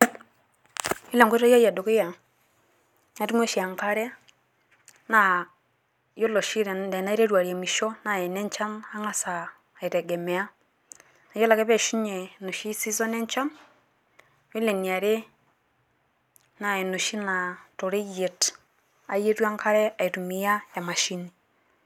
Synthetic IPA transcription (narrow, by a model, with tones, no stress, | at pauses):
i˦le˨ŋɡo˦ta˦ja˦ja˨do˨ke˦ja˨ | a˦ti˦mwe˦ʃi˨a˨ŋka˦ɾɛ˦ | na˨ | jo˦lo˨ʃi˦ɾe˨de˨na˦i˦ɾe˦ɾwa˨ɾi˨e˨mi˨ʃo˦na˨ɛ˨ne˦ɲt͡ʃa˦na˦ŋa˦sa˨ | e˨ɾɛ˨ɡɛ˨mɛ˨a˦ | na˨jo˦la˨kɛ˦βe˨ʃi˦ɲe˨no˨ʃi˦si˦zo˦ne˦ɲt͡ʃa˦n | jo˦le˨ni˨a˨ɾe˦ | na˨e˨no˨ʃi˦na˨to˨ɾe˦ɣe˨t | a̰˨je˦twa˦ŋka˦ɾɛ˦a˨i˨tu˨mi˨ja˦ja˨ma˨ʃi˦ni˨